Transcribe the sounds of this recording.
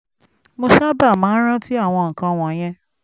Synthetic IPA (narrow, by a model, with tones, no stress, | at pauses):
mo˧ʃa˦ba˦˨mãː˨˦n̩˦ɾ̃ã˦ti˦a˦˨w̃ɔ̃˧ŋ̩˨kã˧w̃ɔ̃˨j̃ɛ̃˧